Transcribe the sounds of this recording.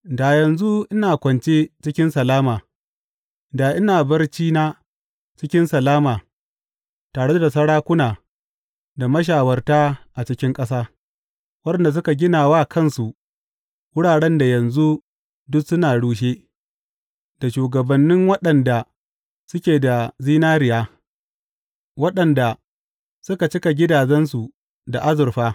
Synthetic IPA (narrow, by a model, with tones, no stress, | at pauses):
da˨jɐ˨nzu˦ʔɪ˦naː˨kʷɐ˨nt͡ʃeː˦t͡ʃɪ˦kʲɪ˦nsɐ˨laː˦maː˨ | da˨ʔɪ˦naː˨bɐ˦rt͡ʃiː˦na˦ | t͡ʃɪ˦kʲɪ˦nsɐ˨laː˦maː˨ | taː˨ɽe˦da˨sɐ˦ɽaː˦kʷʊ˦naː˨ | da˨mɐ˦ʃ̬aː˨wɐ˦rta˦ʔa˨t͡ʃɪ˦kʲɪ˦ŋkʼɐ˦s̬aː˦ | wɐ˦ɗɛ˨nda˨s̬ʊ˦ka˨ɡʲɪ˦naː˨waː˦kʰɐ˦nsu˨ʔ | wʊ˦ɽaː˨ɽɛ˦nda˨jɐ˨nzu˦ | dʊ˦ksʊ˦naː˨ɽuː˦ʃ̬eː˦ | d̥a˨ʃuː˨ɡɐ˨bɐ˨nːɪ˦ŋwɐ˦ɗɐ˨nda˨ | sʊ˦kʲeː˨da˨ziː˦naː˦ɾɪ˨jaː˦ | wɐ˦ɗɐ˨nda˨ | sʊ˦ka˨t͡ʃɪ˦ka˨ɡʲɪ˦daː˨d͡ʒɛ˦nsu˨ | da˨ʔa˦zʊ˨rɸaː˦